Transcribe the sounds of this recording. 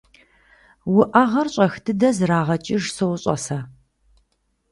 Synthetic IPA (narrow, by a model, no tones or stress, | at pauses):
wʊʔɐʁɐrɕʼɐxdʰɨdɐzraːʁɐt͡ʃʼɪʒsowʊɕʼɐ̰sɐ